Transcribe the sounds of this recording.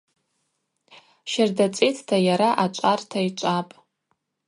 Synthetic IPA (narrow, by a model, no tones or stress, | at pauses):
ʃardat͡sʼetʰtʰajaɾaʔat͡ʃʷʼartʰait͡ʃʷʼapʼ